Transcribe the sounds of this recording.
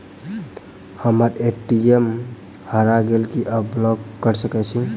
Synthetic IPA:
həməɾeʈiem | həɾaɡelkiʔəblɔkkːəɾsəkɛt͡ʃʰi

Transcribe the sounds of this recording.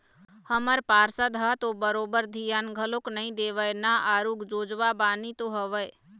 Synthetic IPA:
həməɾpaːɾsəd̪ʱɦat̪obəɾoːbəɾd̪ʱijaːnɡʱəloknəɦĩd̪eːʋəjnaʔaːɾukd͡ʒoːd͡ʒʋabaːnit̪oɦəʋəj

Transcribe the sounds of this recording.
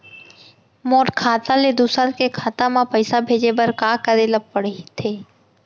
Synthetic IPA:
moːʈkʰaːt̪ãled̪uːsəɾkekʰaːt̪amãpəɪsabʱeːd͡ʒebəɾkaːkəɾeləpəɽet̪ʰeː

